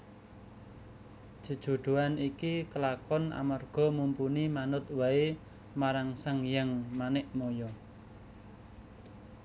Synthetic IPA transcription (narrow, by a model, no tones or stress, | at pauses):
ʒ̥ə̤d̥ʒ̥o̤ɖ̪̥o̤anikikəlakɔnʔa̰marɡ̥ɔ̤mumpunimanʊt̪̚wae | maɾaŋsaŋjaŋmanɪʔmojɔ